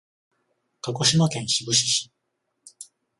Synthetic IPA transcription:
kako̞ɕimakẽ̞ɰ̃ɕibɯ̟ɕi̥ɕi̥

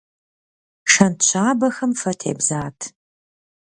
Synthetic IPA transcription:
ʂɐntt͡ʃʷʰaːbɐxɐmfɐtʰḛːbzaːtʰ

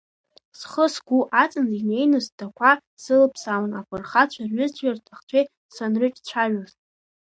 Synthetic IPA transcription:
sχəsɡʷuʔat͡sʼɨnzine̞jnɨsdʰakʷʰa | sɨlpʰsawanapʷʰɨrχat͡ɕʷʰarɥʊzʰʼɥartʰaχt͡ɕʷʰej | sanrɨt͡ʃʼt͡ɕʷʰaɥaztʼ

